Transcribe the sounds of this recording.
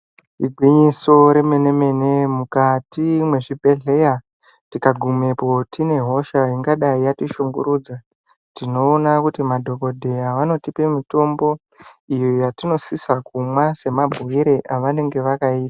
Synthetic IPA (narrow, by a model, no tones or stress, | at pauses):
iɡʱwiɲiso̞ɾe̞mene̞me̞ne̞mukatimwe̞ʐibʱe̞ɮe̞ja | tikaɡʱume̞po̞tine̞ɦo̞ʃaiŋɡaɗaijatiʃuŋɡuɾuːd͡za | tino̞ːnakutimadʱo̞ko̞dʱe̞jaʋano̞tipemito̞mbo̞ | ijojatino̞sisakumwase̞mabʱuiɾe̞ʔaʋane̞ŋɡe̞ʋakaiːtḁ